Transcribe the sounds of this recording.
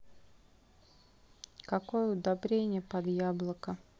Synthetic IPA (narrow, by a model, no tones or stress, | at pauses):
kɐkojəʊd̪ɐbɾʲenʲɪjəpɐd̪jablˠəkə